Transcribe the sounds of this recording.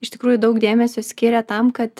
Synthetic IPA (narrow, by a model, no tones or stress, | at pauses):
ɪʃt̪ʲɪkɾuːjʊd̪ɐʊkd̪ʲeːmʲɛsʲosʲkʲiːɾʲɛt̪ɐmkɐt̪